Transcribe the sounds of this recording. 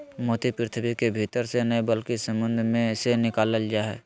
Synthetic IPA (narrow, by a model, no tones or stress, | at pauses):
mɔːt̪ipɾɪt̪ʰəbikebʱiːt̪əɾsenəebəlkisə̃mbə̃nd̪ʱmẽsenɪkaːləld͡ʒaːɦɛ̰ː